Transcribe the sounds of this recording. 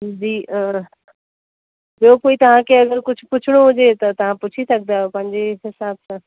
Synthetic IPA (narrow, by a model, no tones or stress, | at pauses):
d͡ʑiːɔːɾ | bijokoːit̪ɐʋ̤ãkʰeɐɡəɾkʊd͡ʑʱʊpʊt͡ɕʰɪɽ̃oɦʊd͡ʑet̪ɐt̪ɐʋ̤ãpʊt͡ɕʰisɐɡ̚naːpɐ̃ɦɪ̃ɲd͡ʑeɦɪsaːbsã